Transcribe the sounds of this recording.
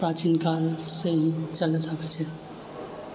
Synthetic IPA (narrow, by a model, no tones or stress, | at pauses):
pɾat͡ʃinkalseɦit͡ʃələt̪abɛt͡ʃʰɛ